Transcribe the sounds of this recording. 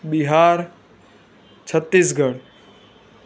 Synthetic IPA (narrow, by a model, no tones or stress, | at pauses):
ɓiɦaːɾ | t͡ʃʰət̪ːis̬ɡʱəɽ